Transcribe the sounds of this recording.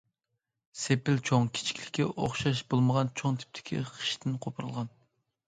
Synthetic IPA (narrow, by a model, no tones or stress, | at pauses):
sepɪlt͡ʃʰoŋkʲʰi̥t͡ʃʰi̥kʲlɪkʲʰːɛʔoχʃɑʃbolˠməʁɑnt͡ʃʰoŋt̪ʰɪ̥p̚t̪ʰɪ̥kʲʰḭχʰɨ̥ʃt̪ʰɪnqʰopʰɨɾɨlˠʁɑn